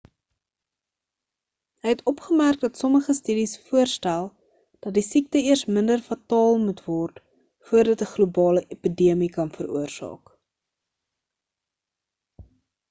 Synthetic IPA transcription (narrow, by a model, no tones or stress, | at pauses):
ɦəjɦɛtɔpχəmærk̚dɐtsɔməχəstydisfuərstælˠ | d̥ɐt̚disik̚təiərsməndərfɐtɑːlˠmutvɔrt | fuərdɐtəχlubɑːləʔepidiəmikɐnfəɾuərsɑ̰ːk